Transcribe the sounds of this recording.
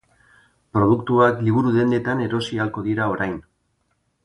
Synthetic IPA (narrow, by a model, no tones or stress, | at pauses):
pɾo̞ð̞ukt̪uβak̪liβ̞uɾuðe̞nd̪e̞t̪ane̞ɾo̞sialko̞ðiɾao̞ɾajn